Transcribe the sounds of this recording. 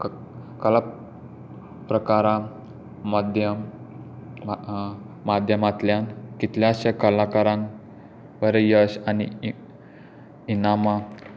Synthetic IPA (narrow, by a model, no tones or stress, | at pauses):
kəla | pɾəkaɾa | md̪ʱjə | mad̪ʱjəmat̪ljankit̪ljaɕakəlakaɾãn | ʋəɾejəɕanḭ | inama